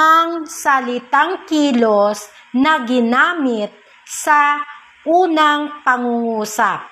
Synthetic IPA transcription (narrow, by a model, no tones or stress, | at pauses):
ɐŋsɐlɪt̪aŋkiːlos | nɐɡɪnaːmɪt̪̚ | sɐ | ʔuːnɐŋpɐŋuŋuːsap̚